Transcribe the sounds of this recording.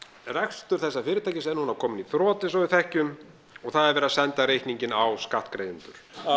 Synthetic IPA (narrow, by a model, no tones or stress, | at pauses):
rɛxst̪ʏɾ̥θɛsːafɪːɾɪt̪ʰajcɪsɛnhunavkʰɔːmɪniθɾɔːt̪ɪsɔwɪθɛhcʏm | ɔɣθaðɛɾvɛːɾasɛnt̪aɾejhkniɲcɪnawskaht̪kɾejʏnt̪ʏɾ̥